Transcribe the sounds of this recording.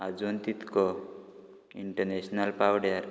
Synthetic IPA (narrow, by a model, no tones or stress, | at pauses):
ad͡zwɔnt̪it̪kɔ | iɳʈəɾneɕnalpawɽjaɾ